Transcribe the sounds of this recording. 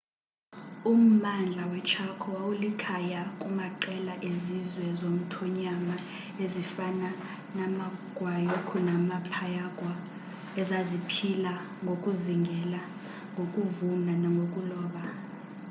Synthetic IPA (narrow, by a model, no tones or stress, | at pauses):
um̩mand͡ɮʱawɛt͡ʃʰakʰɔwawulikʰajakʼumaǃɛlaʔezizwɛzom̩tʰɔɲama | ezifana | namaɡ̥ʱwajokʰunamapʰajaɡ̥ʱwa | ɛzazipʰila | ŋɡʱokʼuziŋɡʱɛla | ŋɡʱokʼuvunanaŋɡʱokʼulɔːɓa